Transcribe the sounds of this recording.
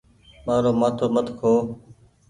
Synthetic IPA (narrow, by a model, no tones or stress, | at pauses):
maːɾoːmaːt̪ʰoːmət̪ʰkʰoː